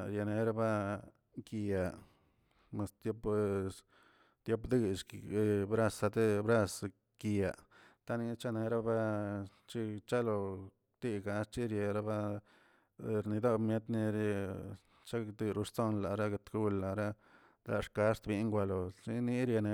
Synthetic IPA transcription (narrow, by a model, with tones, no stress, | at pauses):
ɾje˨ne˧ɾa˦ba˦ | ki˧ja˨ | me˨st̪jo˦p | t̪jo˦pd̪ɨ˦ʃbɾa˦sa˧d̪e˦bɾa˦˧s | ki˧a˨t̪a˦ni˧t͡ʃa˦ne˧ɾa˦ba˦ | t͡ʃi˦t͡ʃa˦lo˧ | t̪i˦ɡa˧st͡ʃi˦ɾje˧˨ɾa˦ba˦ | ɾni˧d̪o˦bmje˦t̪ni˧ɾ | t͡ʃa˦d̪ɨ˧ɾu˧ʂt͡so˦nla˨ɾa˦ɡe˧t̪ɡu˦lːa˨ɾa˦˧ | la˧ʂka˧˦st̪bi˧ŋɡʷa˧lo˨t͡ʃi˧ni˧˦ɾja˧ne˧